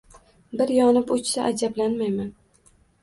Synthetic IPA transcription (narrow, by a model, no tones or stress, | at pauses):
bɪɾjɒnɪpʊt͡ʃsaʔad͡ʒablanmajman